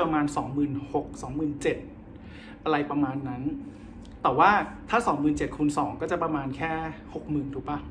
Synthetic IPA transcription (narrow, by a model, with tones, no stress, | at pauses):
ɾa˧maː˧nsɔː˩˦ŋmɯː˨˩nho˨˩k̚sɔː˩˦ŋmɯː˨˩nt͡ɕe˨˩t̪̚ | ʔa˧ɾa˧jpɾa˧maː˧nːa˦˥n | t̪ɛː˨˩waː˥˩t̪ʰaː˥˩sɔː˩˦ŋmɯː˨˩nt͡ɕe˨˩t̪̚kʰuː˧nsɔː˩˦ŋkɔː˥˩t͡ɕa˨˩pɾa˧maː˧nkʰɛː˥˩ho˨˩k̚mɯː˨˩nt̪ʰuː˩˦pa˦˩